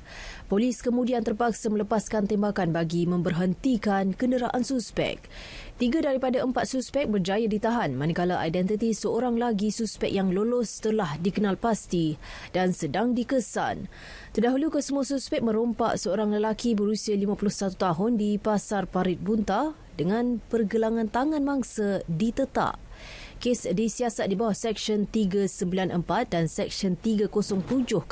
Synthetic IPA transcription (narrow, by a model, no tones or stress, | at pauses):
poliskəmũdiant̪ərpaksamə̃ləpaskant̪ɛmbakanbaɡimə̃mbərɦənt̪ikankəndəɾaʔansuspɛ̰k̚ | t̪iɡadaɾipadaəmpat̪̚suspɛk̚bərd͡ʒajadit̪aɦanmãnikalaʔa̰jdɛnt̪it̪isəoɾaŋlaɡisuspɛk̚jaŋlolost̪əlahdikənalpast̪i | d̥ansədaŋdikəsa̰n | t̪ərdaɦulukəsəmuasuspɛk̚mə̃ɾompa̰ʔsəoɾaŋləlakibəɾusialimãpulʊhsat̪ut̪aɦʊndipasarpaɾɪt̪̚bunt̪a | dəŋãnpərɡəlaŋãnt̪aŋãnmãŋsadit̪ət̪a̰ʔ̚ | kesdisiasat̪̚dibawahsɛk̚ʃənt̪iɡasəmbilanʔəmpat̪̚dansɛk̚ʃɔnt̪iɡakosɔŋt̪ud͡ʒʊh